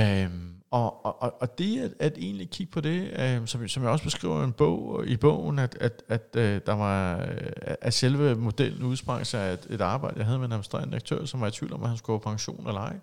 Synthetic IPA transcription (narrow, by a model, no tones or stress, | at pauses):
mɒ̽ʔɒ̽ːd̥e̝æ̥æd̥e̝̰ːnlikʰiɡ̥̚pʰɒ̽d̥e̝sɒ̽msɒmjɑ̈ɪɒ̽sb̥esɡ̥ʁḭːʊ̰ɐe̝nb̥ɔ̰ʊ̰ib̥ɔ̰ʊ̰n̩æd̥æd̥æd̥d̥ɑ̈ʋɑ̈ | æʔæselʋəmo̝d̥el̰n̩uðˠsb̥ʁɑ̈ŋ̰sɑ̈ɪed̥e̝d̥ɑ̈ːb̥ɑ̈ɪd̥əjɑ̈ɦæð̞̩ˠmenʁɛmisd̥ʁḛɐndiɐɡ̥̚t͡sʰø̰ɐ̰sɒ̽mʋɑ̈ɪi̥t͡sʰʋḭːld̥ɒ̽mʔæhænskɡ̥upʰɑ̈ŋɕo̝̰ːnelɐɑ̈ɪ